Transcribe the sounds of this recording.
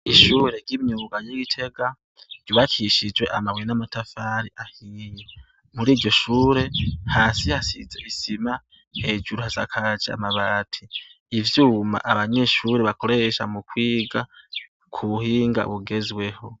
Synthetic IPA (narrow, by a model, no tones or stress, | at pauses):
iʃuːɾe̞ɾɟimɲuːɡajoɡitʰe̞ɡa | ɾɟuβakʰiʃid͡ʒwe̞ʔamawenamatafaːɾiʔahiːje | muɾiːɾɟo̞ʃuːɾe̞haːsihasḭzeβisima | he̞d͡ʒuɾuhaza̰kʰad͡ʒia̰maβaːtʰiː | vjuːma̰ʔaβaɲe̞ːʃuːɾeβako̞ɾe̞ʃamukwiːɡa | kʰuβuhiːŋɡa̰βuɡe̞zwe̞ho̞